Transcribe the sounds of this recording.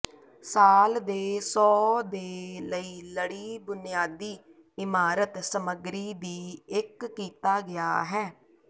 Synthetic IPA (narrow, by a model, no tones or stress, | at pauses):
saːld̪eːsɔːd̪eːləiːləɽiːbʊnɪjaːd̪iː | ɪmaːɾət̪səməɡɾiːd̪iːɪkːiːt̪aːɡɪja̰ːɦɛː